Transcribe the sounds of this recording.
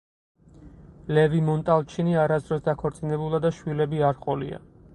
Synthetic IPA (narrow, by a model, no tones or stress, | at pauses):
lɛvimɔnt̪ʼalˠt͡ʃʰiniaɾasd̪ɾɔsd̪akʰɔɾt̪sʼinɛbulˠad̪aʃwilɛbiaɾχʼɔlḭa̰